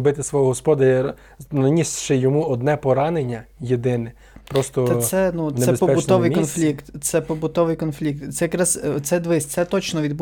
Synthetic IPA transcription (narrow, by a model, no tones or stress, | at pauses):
bɪt̪ɪsʋɔɦɔɦɔspɔd̪ɐɐ | nɐnʲisʃɪjɔmuɔd̪nɛpɔɾɑnenʲːɐjed̪ɪnɛ | pɾɔst̪ɔɛsɛnuneɛespɔpɛbʊnɔʋɪjkɔnflʲikt̪t̪sɛpɔbʊt̪ɔʋɪjkɔnflʲik̚t̪t̪sɛjɐkɾɑzt̪sɛd̪ʋɪsʲt̪sɛt̪ɔt͡ʃnɔʋʲid̪b